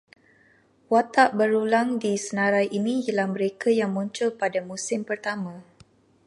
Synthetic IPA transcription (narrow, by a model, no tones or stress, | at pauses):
wat̪aʔbəɾulaŋdisənãɾajʔinĩjəlahmə̃ɾekajaŋmuɲt͡ʃʊlpadamũsɪmpərt̪amã